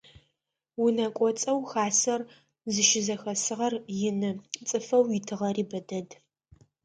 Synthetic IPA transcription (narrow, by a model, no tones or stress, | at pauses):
wʊnɐkʷʼɔt͡sʼɐwxaːsɐr | zɨʃɪzɐxɐsɨʁɐrjɪnɨt͡sʼɨfɐwjɪtʰɨʁɐriːbɐdɐd